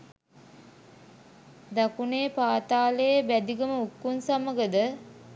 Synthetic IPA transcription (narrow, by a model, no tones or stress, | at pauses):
d̪akuneːpaːt̪aːləjəbæd̪iɡəməukːunsaməɡəd̪ə